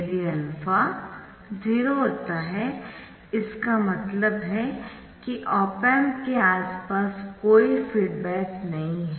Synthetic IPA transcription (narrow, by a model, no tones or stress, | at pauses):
liɛlfa | ziːɾoɦoːt̪aɦɛ | ɪskamɐt̪ləbɦɛ | kiʔɔːpɛmkeaːspaːskoːifiːɖbɛːknɐɦĩɦɛ